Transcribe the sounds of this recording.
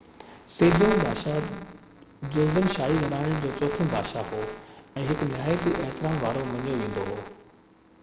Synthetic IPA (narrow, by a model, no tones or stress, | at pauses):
seːd͡ʑõbʱaːʃa | d͡ʑoːzd̪ənʃaːiɡʱɐlaːɽ̃əɽ̃d͡ʑoːt͡ɕoːt̪ʰə̃bʱaːʃaɦoːɛ̃ːɦɪknɪɦaːjət̪iʔeɦt̪ɪɾaːmʋaːɾoʋɐɲijoʋẽːn̆d̪oɦoː